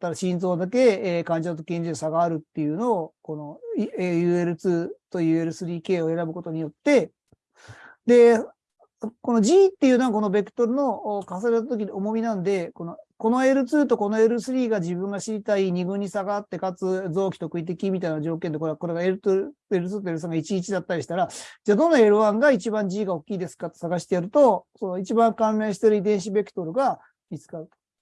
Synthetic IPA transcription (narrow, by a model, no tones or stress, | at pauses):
t̪ːaɾaɕĩnzo̞ːd̪ak̬e̞kãɲ̟d͡ʑit̪at̪̬okʲẽɲ̟d͡ʑiosaɡaːɾɯ̟t̪ːe̞jɯ̟no̞ːko̞no̞ejɯ̟e̞ɾɯ̟t͡sɨːt̪o̞jɯ̟ːe̞ɾɯ̟sɨɾʲiːke̞ːo̞e̞ɾabɯ̟ko̞t̪o̞ɲ̟ijo̞t̪ːe̞ | d̪e̞ | ko̞no̞ʑiːt̪ːejɯ̟noɡako̞no̞be̞kɯ̟̥t̪o̞ɾɯ̟no̞kas̬aɾet̪̬at̪o̞k̬ʲino̞mo̞mʲinãnd̪e̞ko̞no̞ko̞no̞e̞ɾɯ̟t͡sɨːt̪̬o̞ko̞no̞e̞ɾɯ̟sɨɾʲiːɡad͡ʑibɯ̟̃ŋɡaɕiɾʲit̪aiɲ̟iɡɯ̟̃ɲ̟ːisaɡat̪ːe̞kat͡sɨd͡zo̞ːkʲi̥t̪o̞kɯ̟it̪̬e̞kʲimʲit̪ainad͡ʑo̞ːk̬end̪e̞koɾeako̞ɾe̞ɡae̞ɾɯt̪e̞ɾɯ̟t͡sɨːt̪oeɾɯ̟s̬ãŋɡait͡ɕiːt͡ɕid̪at̪ːaɾiɕi̥t̪aɾad͡ʑad̪õ̞nːae̞ɾɯ̟βãŋɡait͡ɕibãɲd͡ʑiːɡao̞kʲːiːd̪e̞sɨ̥kat̪ːesaɡaɕi̥t̪ejaɾɯ̟t̪o̞so̞noit͡ɕibãŋkãnːẽɕi̥t̪e̞ɾɯid̪ẽ̞ɰ̃ɕibe̞kɯ̟̥t̪o̞ɾɯ̟ɡa | mʲit͡sɨ̥kaɯ